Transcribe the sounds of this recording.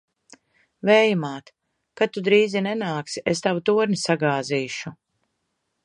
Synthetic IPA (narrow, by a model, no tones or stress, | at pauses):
vɛːjumaːt̪ | kat̪ːud̪ɾiːzinɛnaːksiʔest̪avut̪uɔɾnisaɡaːziːʃu